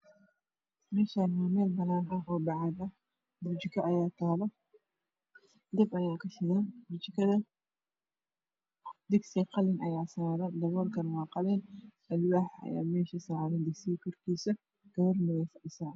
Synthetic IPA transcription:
mɛːʃanwɐːmɛːlbɐnaːnɐɦɔːbɑʕɑd̪ɐ | bʊt͡ʃɪkʰɐʔɐjaːt̪ʰaːlɐ | d̪ɐbɐjaːkʰɐʃɪɣɛnbʊt͡ʃɪkʰɐðɐ | d̪ɪɡsiqɑlɪnʔɐjaːsɐðɐd̪ɐβɔlkʰɐnwɑːqɑlɛn | ɐlwaːħɐ̰ja̰ːmɛːʃɐsaʕlɛnd̪ɪɡsɪkʰɔrkʰiːsɐ | ɡ̥ɐwɐrmɐɣɛjfɐʕɪsaː

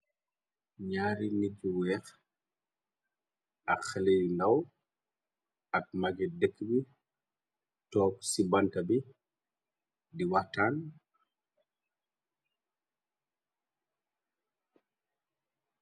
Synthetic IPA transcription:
ɲaːɾiniɟuwɛːx | ʔɐkxɛlejndaw | ɐk̚maɡidəkːbi | tɔːp̚sibantabi | diwataːn

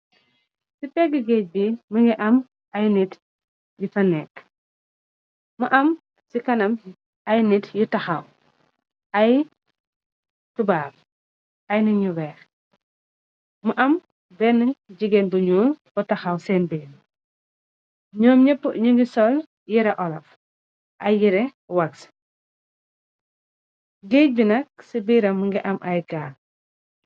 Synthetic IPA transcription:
sipɛɡːəɡɛc̚biməŋɡiʔɐm | ɐjnit | jufɐnɛːk | mɐʔɐm | sikɐnɐm | ɐjnitjutɐxɐw | ɐj | tubaːb̚ | ɐjnɐɲuwɛːx | muʔɐm | bɛnɐɟiɡɛnbuɲuːmbɔtɐxɐwsɛːnbiːn | ɲɔːmɲɛpːɲuŋɡisɔl | jiɾɛʔɔlɐf | ʔɐjːiɾɛ | wɐks | ɡeːc̚binɐk̚sibiːɾɐmŋɡiʔɐmʔɐjɡaːl

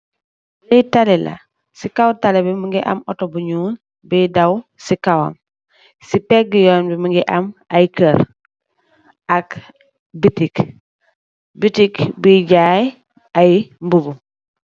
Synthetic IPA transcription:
litalɛla̰ | sikawtalɛbɛmiŋɡɛʔa̰mɔtobuɲuːn | biːdawsikawa̰m | sipekɡijɔːnbimuŋɡiʔamajkəɾ | ak | bitik | bitikbiɟaːj | ʔajmbubu

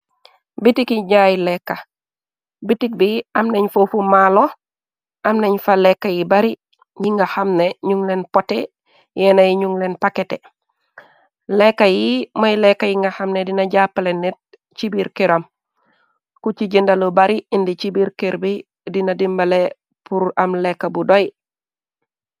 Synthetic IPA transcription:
bitikiɲajilɛkːa | bitik̚biɐmnɐɲfofumalo | ʔɐmnɐɲfalɛkːajibaɾi | jiŋɡaxamneɲuŋlenpɔte | jɛnajiɲuŋlenpakete | lɛkːajimojlɛkːajiŋɡɐxamnedinɐɟapːalenːɛt̚ | t͡ʃibiɾkeɾam | kut͡ʃiɟindalubaɾiindit͡ʃibiɾkeɾbi | dinadimbɐle | puɾɐmlɛkːabudoj

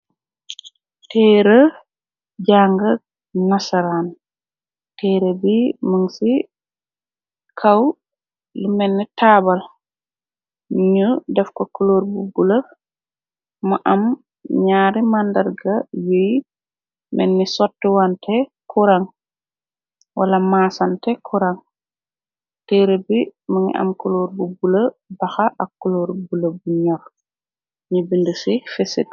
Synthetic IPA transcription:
tɛːɾə | d͡ʒaŋɡɐ | nasaɾan | tɛːɾəbiməŋsi | kʰaw | limɛnːɛtaːbal | ɲudɛfkɔkuloːɾbubulɐ | maʔam | ɲaːɾimandɐɾɡɐjoj | mɛ̰nːisɔtːiwantʰɛkʰuɾaŋ | wʔalamaːsantɛkʰuɾaŋ | tɛːɾebimaŋḭʔɐ̰mkuloːɾbubulɐbɐxaʔɐkːuloɾbulɐbuɲɔr | ɲibindusifɛsḛt̚

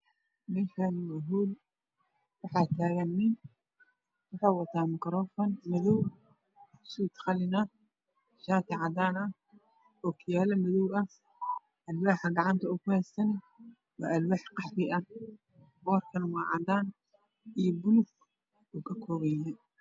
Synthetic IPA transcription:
mɪkʰanwɐɦuːl | wɑħɑːt̪ʰaːɣɐnːɪ | wɑħɑːwɑt̪ʰːaːmɪkɾɔːfɔːnmɐðɔw | suːt̪xɑlɪnɐ | ʃaːt̪ʰɪʕɑd̪aːnɐ | ɔːkʰɪjaːlɐmɐðɔwɐ | ʔɐlwaːħɐɡɑʕɑnt̪ʰɐʊkʊhɛːsɐn | wɑ̰ːʔɐlwaːħqɑħɾɪʔɐ | bɔːrkʰɐnwɑːʕɑ̰d̪aːn | ijbʊlʊɡ | ʊkʰɐkʰɔːβɛjɐ

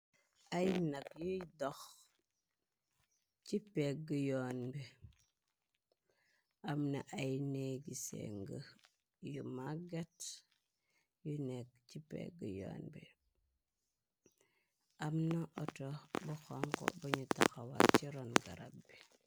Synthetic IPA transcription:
ʔajnakjujdɔx | t͡ʃipek̚ɡəjonbe | amnaʔajneɡisḛŋɡə | jumaɡat | junek̚cipḛɡəjo̰ːnbḛ | amnaʔɔtobuxoŋko̰baɲuta̰xawa̰t͡ʃiɾonɡa̰ɾa̰bbi

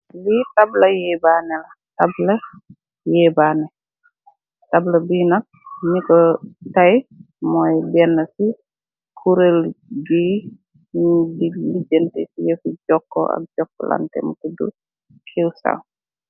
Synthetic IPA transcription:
litablɐjɛːbaːnɛlɐ | tablɐ | jɛbaːnɛ | tablɐbinɐk̚ɲikɔtaj | mɔjbɛnːɐsi | kʰuɾelɡi | dilid͡ʒəntesijefuɟɔkːɔ̰a̰k̚d͡ʒɔkːɔ̰la̰ntɛ̰mkudṵ | kʰewsa̰w

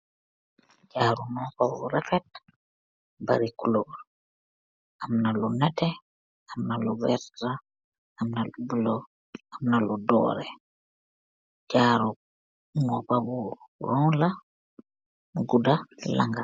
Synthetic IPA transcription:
d͡ʒaːɾunɔkawuɾɛfɛt̚ | ba̰ɾikuloɾ | ʔamnalɔnatɛ | amnalɔvɛɾta | amnalubulɔ | amnalɔdɔ̰ːɾɛ̰ | d͡ʒaɾu | nɔpabuɾɔla | ɡudalaŋɡa

